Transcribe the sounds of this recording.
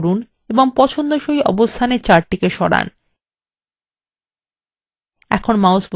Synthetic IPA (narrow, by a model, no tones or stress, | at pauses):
ɾun | eboŋpɔt͡ɕʰond̪oʃoiʔɔ̰bost̪ʰaneɾt͡ɕaɾʈikeʃɔɽa̰n | ɛ̰kʰonmawsb